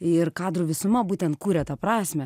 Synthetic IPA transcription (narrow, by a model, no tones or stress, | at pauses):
ɪrkɑːd̪ɾuʋʲɪsʊmɐbuːt̪ʲɛnt̪̚kuːɾʲɛt̪ɑpɾɑːsʲmʲɛ